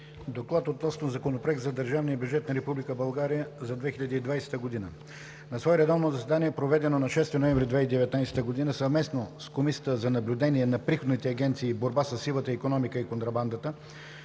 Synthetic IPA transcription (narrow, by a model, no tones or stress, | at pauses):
d̪oklˠat̪ot̪nɔsnozɐkonopɾoɛk̚t̪zɐd̪əɾʒavnijəbjud͡ʒɛt̪̚nɐɾɛpublʲikəbɐlˠɡaɾijəzɐd̪vɛxilʎʲɐd̪iːd̪vajsɛ̥t̪əɡod̪inə̰ | nɐsvɔɛɾɛd̪avnozɐsɛd̪aniɛpɾovɛd̪ɛnonɐʃɛst̪inovɛ̃ɱvɾid̪vɛid̪ɛvɛt̪najsɛ̥t̪əɡod̪inəsɐvmɛsnoskomisiət̪əzɐnɐblʲʊd̪ɛniɛnɐpɾixod̪nit̪ɛɐɡʲɛnt̪siːboɾbasəsːilˠət̪əikonɔmikəikont̪ɾɐband̪ət̪ə